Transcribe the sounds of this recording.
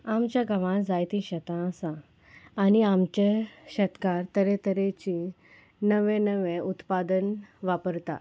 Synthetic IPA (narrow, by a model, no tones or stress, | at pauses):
amt͡ɕjaɡʱəʋãd͡zajt̪ĩɕət̪ãəsãː | niamt͡ɕeɕət̪kaɾt̪əɾet̪əɾet͡ɕi | nəʋẽnəʋẽut̪pad̪ənʋapəɾt̪a̰